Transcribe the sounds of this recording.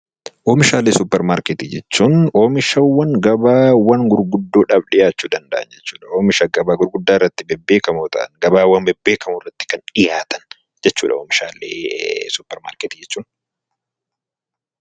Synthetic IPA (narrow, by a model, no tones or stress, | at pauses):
ʔoːmɪʃaːleːsʊpːɛɾmaːɾkɛt̪id͡ʒɛt͡ʃːuːnoːmɪʃɐwːɐŋɡɐbaːwɐŋɡʊɾɡʊd̪ːoːᶑɐbᶑɪjaːt͡ʃːuːd̪ɐnd̪ɐʔɐnd͡ʒɛt͡ʃːu̥ːᶑɐoːmɪʃɐɡɐbaːɡʊɾɡʊd̪ːaːɪrːɐt̪ːɪbɛbːe̞ːkɐmot̪ɐ̰ʔɐ̰nɡɐbaːwɐnbɛbːeːkɐmʊrːɐt̪ːɪ̥kɐnᶑɪjaːt̪ɐn | d͡ʒɛt͡ʃːuːᶑɐoːmɪʃaːlḛːsʊpːɛɾma̰ːɾkɛt̪id͡ʒɛt͡ʃːuːn